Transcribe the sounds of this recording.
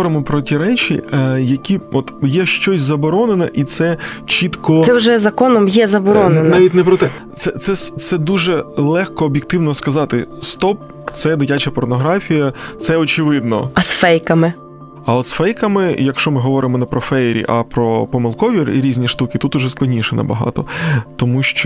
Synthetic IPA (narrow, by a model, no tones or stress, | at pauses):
ɔɾɪmɔpɾɔtʲiɾɛt͡ʃʲḭjɐkʲiɔt̪jɛʃt͡ʃɔsʲzɐbɔɾɔnenɐʔit̪sɛt͡ʃit̪kɔɛwʒɛzɐkɔnɔmjɛzɐbɔɾɔnenɐnaʋʲitʲnɛpɾɔt̪ɛ | t̪sɛt̪sɛst̪sɛd̪uʒɛlˠɛxkɔːbʲjɪk̚t̪ɪwnɔskɐzɑt̪ɪst̪ɔp̚ | t̪sɛd̪ɪtʲat͡ʃɐpɔrnɔɦɾɑfʲijɐt̪sɛɔt͡ʃɪʋɪd̪nɔ̰ɐsfɛjkɐmɪ | ɐɔt̪sfɛjkɐmɪjɐkʃt͡ʃɔmɪɦɔʋɔɾʔɪmɔnɛpɾɔfɛjɾʲḭʔɐ̰pɾɔpɔmɪlˠkɔʋʲirḭɾʲizʲnʲiʃt̪ukɪt̪ut̪ʊʒɛsklˠɐdʲnʲiʃɛnɐ̰bɐ̰ɦɑ̰t̪ɔt̪ɔmuʃt͡ʃɔ